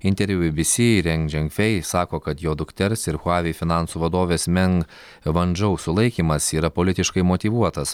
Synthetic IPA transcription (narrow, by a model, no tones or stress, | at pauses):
ɪnʲt̪ʲɛɾʲʋʲubʲɪbʲɪsʲɪɾʲɛŋɡd͡ʒʲɛŋkfʲɛɪsɑːkoːkɐt̪joːd̪ʊkt̪ʲɛɾsɪɾxʊɑːʋʲɪfʲɪnɑˑnsuːʋɐd̪oːʋʲeːsmʲɛŋk | ʋɐnʲd͡ʒɐʊsʊlˠɐɪkʲiːmɐsiːɾɐpoːlʲɪt̪ʲɪʃkɐɪmot̪ʲiʋuɔt̪ɐs